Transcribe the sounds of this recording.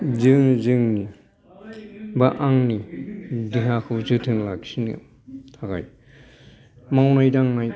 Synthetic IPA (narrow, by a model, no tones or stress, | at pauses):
zɯŋzɯŋni | baʔaŋnidiɦakʰɯzɯtʰɯnlaɡsinɯ | tʰaka̰j | mawnajdaŋnaj